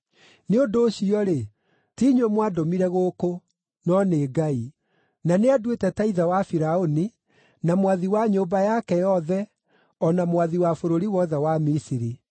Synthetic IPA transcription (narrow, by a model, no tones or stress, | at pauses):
neondoːɕiɔɾe | tiɲwomwadomiɾɛɣoːko | nɔneːɡai | naneadwetɛtaiðawafiɾaoni | namwaðiwaɲobajakɛjɔðɛ | ɔnamwaðiwafoɾoɾiwɔðɛwamisiɾi